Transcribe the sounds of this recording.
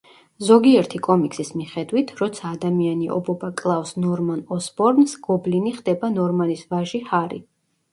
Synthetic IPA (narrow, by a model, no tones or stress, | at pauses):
zɔɡiɛɾt̪ʰikʼɔmiksismiχɛd̪wit̪ʰɾɔt̪sʰaːd̪amianiʔɔ̰bɔbakʼlˠafsnɔɾmanɔsbɔɾnsɡ̥ɔbliniχd̪ɛbanɔɾmanisvaʒihaɾḭ